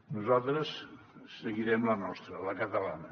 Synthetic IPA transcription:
nuzalˠt̪ɾəsː | əɣiɾɛmlənɔst̪ɾələkət̪əlanə

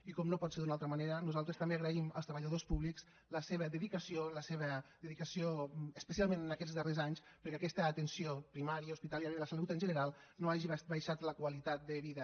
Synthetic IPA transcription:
ikɔmnopɔt̪seɾðunalˠt̪ɾəmaneɾənuzalˠt̪ɾəst̪ɐmbeaɣɾəiməlˠst̪ɾəβəʎaðospuβliks | ləseβəðəðikəsioləseβəðəðikəsioəspəsialˠmenənəkɛd͡zzðərezaɲs | pəɾkakɛst̪əːt̪ənsiopɾimaɾiəuspit̪aljaɾiðələsalut̪ənʒənəɾalˠ | noaʒiβbajʃat̪ləkwəlit̪at̪̚d̪əβiðə

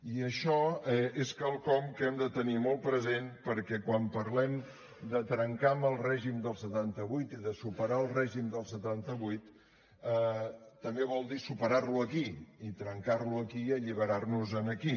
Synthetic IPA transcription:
iəʃɔɛeskalˠkɔmkɛmd̪ət̪ənimɔlˠpɾəzenpəɾkɛkwampəɾlɛm | d̪ət̪ɾəŋkambəlˠrɛʒimd̪əlˠsət̪ant̪əβujt̪iðəsupəɾaəlˠrɛʒimd̪əlˠsət̪ant̪əβujt̪ | əːəmbeβɔlˠd̪isupəɾarluəkiit̪ɾəŋkarluəkiəʎiβəɾarnuzənəki

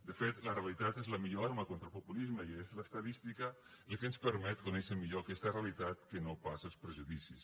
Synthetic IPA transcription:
d̪əfet̪lərealit̪at̪ezləmiʎoaɾməkont̪ɾəlˠpupulizməiezləst̪ɐðist̪ikə | ləkənspəɾmɛt̪kunɛʃəmiʎokɛst̪ərealit̪at̪kənopasəlˠspɾəʒuðisis

